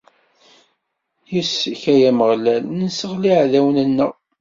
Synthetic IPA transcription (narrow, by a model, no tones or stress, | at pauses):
jisːiçæjæməʁlælnsəʁliʕðæwənənːəʁ